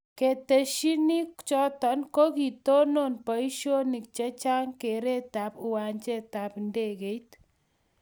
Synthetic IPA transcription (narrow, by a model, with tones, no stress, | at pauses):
ke˨te˨ʃi˦ni˦t͡ʃɔ˦tɔ˨˦nko˦ki˨to˦no˦˨npɔ˨i˦ʃo˦ni˨k̚t͡ʃɛ˦t͡ʃa˦ŋke˨ɾe˦ta˨˦pʊ˨wa˨ɲt͡ʃe˦ta˨pnde˦˨ke˨it